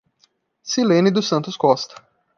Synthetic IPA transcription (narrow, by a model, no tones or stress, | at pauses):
silẽnɪd̪ʊsɐ̃nt̪ʊskɔst̪ɐ̥